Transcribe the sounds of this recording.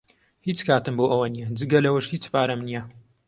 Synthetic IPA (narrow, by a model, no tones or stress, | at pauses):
hiːt͡skʰaːtɨmboːʔɐwɐnijɐd͡zɨɡɐlɐwəʃhiːt͡spaːɾɐmnijɐ